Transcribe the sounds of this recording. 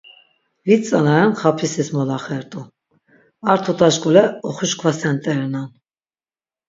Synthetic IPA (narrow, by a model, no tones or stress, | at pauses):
vit͡sʼanaɾɑnχɑpʰisismɔlɑχɛɾt̪ʼu | ɑɾt̪ʰut̪ʰʼɑʃkʼulɛɔχuʃkʰvasɛnt̪ʼɛɾɛnan